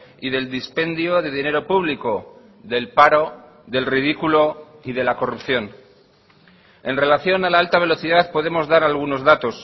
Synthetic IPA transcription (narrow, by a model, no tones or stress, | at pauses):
iðe̞ld̪ispe̞nd̪jo̞ðe̞ðine̞ɾo̞puβ̞liko̞ | ðe̞lpaɾo̞ | ðe̞lrið̞ikulo̞iðe̞lako̞rupθjo̞n | e̞nre̞laθjo̞nalaalt̪aβe̞lo̞θiðaθpo̞ð̞e̞mo̞zðaɾalɣ̞uno̞zðat̪o̞s